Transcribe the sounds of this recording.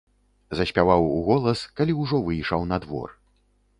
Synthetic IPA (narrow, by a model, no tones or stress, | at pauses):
zɐsʲpʲavawuɣɔlˠɐskalʲiwʐɔvɨjʂawnɐd̪vɔ̰r